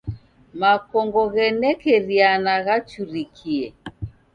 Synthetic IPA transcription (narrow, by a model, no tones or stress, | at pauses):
makɔŋɡɔɣɛnɛkɛɾianaɣat͡ʃuɾikʰiɛ